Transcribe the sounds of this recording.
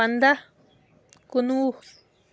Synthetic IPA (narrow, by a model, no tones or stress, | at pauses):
and̪a | kunu